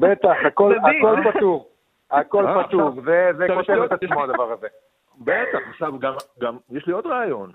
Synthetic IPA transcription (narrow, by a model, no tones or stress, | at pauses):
bet̪aχakolako̞lpat̪uʁ | ako̞lpat̪uʁzezekot̪evet̪at͡smoad̪avaʁaze | bet̪aχaχʃavɡamɡamjeʃliod̪ʁaːjo̞n